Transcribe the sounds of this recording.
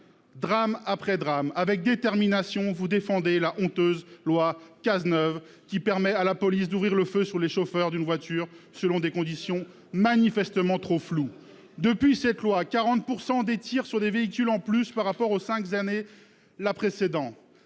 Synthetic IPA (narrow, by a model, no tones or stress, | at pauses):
d̪ʁamapχɛd̪ʁamavɛk̚d̪et̪ɛʁminasjɔ̃vud̪efɑ̃d̪elaʔɔ̃t̪øzlwakaznœv | kʲipɛʁmɛalapɔlisd̪uvʁiʁləføsyʁleʃofœʁd̪ynvwat̪yʁ | səlɔ̃d̪ekɔ̃d̪isjɔ̃ | manifɛst̪əmɑ̃t̪χoflu | d̪əpɥisɛt̪lwakaʁɑ̃t̪̚puʁsɑ̃d̪et̪iʁsyʁd̪eveik̬ʲylɑ̃plyspaʁːapɔʁosɛ̃kzane | lapχesed̪ɑ̃t̪